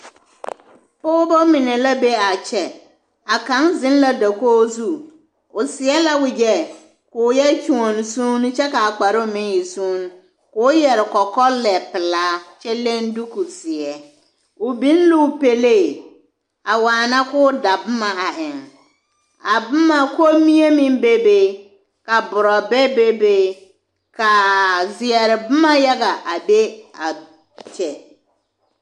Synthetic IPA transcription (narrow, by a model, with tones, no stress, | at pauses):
pʊ˦bo˦mĩ˨nɛ̃˨la˦be˦a˨t͡ʃʰɛ˨ | a˨kã˨˦nzɪ̃˦n˦la˦da˨koː˦zu˦˨ | ʊ˨sɪ˨ɛ˦la˦wɪ˨d͡ʒɛ˦ | kʊ˨˦jɛ˦t͡ʃũ˨ɔ̃˨n˨sũː˦ñ˦t͡ʃɛ˦ka˨a˨k͡pa˨ɾɪ˦˨mɪ̃˦nji˨sũ˦ñ˦ | kʊ˦jɛ˨ɾɪ˨kɔ˨kɔ˦lɛ˨pɪ˨laː˦t͡ʃɛ˦lɛ̃˦n˦du˦ku˨sɪ˨ɛ˨ | ʊ˨bi˦n̩˦lu˦˨pe˨le˦˨ | a˨waː˨na˦kʊː˦da˨bʊ˦ma˨a˨ʔɪ˨ŋ | a˨bʊ˦ma˦ko˦mi˦e˦mi˦n˦be˦be˦ | ka˨bʊ˨ɾɔ˨bɛ˦be˦be˦ | ka˨zɪ˨ɛ˨ɾɪ˨bʊ˦ma˦ja˦ɣa˨ʔa˨be˦a˨ | t͡ʃɛ˨